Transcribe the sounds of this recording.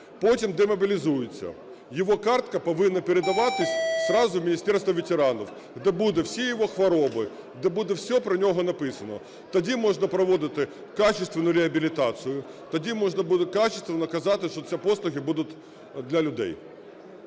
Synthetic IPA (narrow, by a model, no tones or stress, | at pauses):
potʲimd̪ɛmɐbʲɪlʲɪzujɪt͡sʲːɐ̰ | jɪʋɔkart̪kɐpɐʋɪnːɐpʲɪɾʲɪd̪ɐʋat̪ɪsʲsɾɑzʊvmʲɪnʲisʲt̪ʲɛrst̪ʋɐʋʲɪtʲɪɾanɔw | ɦd̪ɛbud̪ɛfsʲijɪʋoxʋɐɾobɨ | d̪ɛbud̪ɛfsʲɔpɾɐnʲoɦɔnɐpɪsɐnɔ | t̪ɐdʲimɔʐnɐpɾɐʋɔd̪ɪt̪ɪ | kat͡ʃɪst̪ʋʲɪnʊjɾʲɪɐbʲɪlʲɪt̪at̪sɨjʊ | t̪ɐdʲimɔʐnɐbud̪ɪkat͡ɕɪst̪vʲɪnɐkɐzat̪ɪʂt̪ɔt͡sʲɛposlˠʊɣʲɪbud̪ʊt̪ | d̪lʲɐlʲʊd̪ɛ̰j